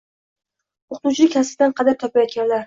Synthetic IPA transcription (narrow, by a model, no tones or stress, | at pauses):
oqʰt̪ut͡ʃʰɪkʲʰast̪ɪd̪anqʰɑd̪aɾt̪ʰɒpʰajɒt̪̚ɡʲanlaɾ